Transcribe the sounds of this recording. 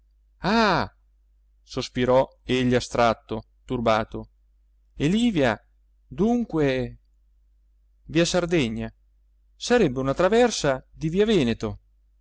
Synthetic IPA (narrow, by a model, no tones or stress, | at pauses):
a | sospiɾɔeʎːiast̪ɾat̪ːo | t̪urbaːt̪o | eliːvja | d̪uŋkwe | viːasard̪eɲːa | saɾɛbːeunat̪ɾavɛrsad̪iviːavɛːnet̪o